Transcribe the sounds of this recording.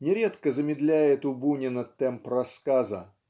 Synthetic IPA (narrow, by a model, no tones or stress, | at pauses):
nʲɪɾʲet̪kəzəmʲɪd̪lʲæjɪt̪ʊbunʲɪnət̪ːɛmprɐskazə̰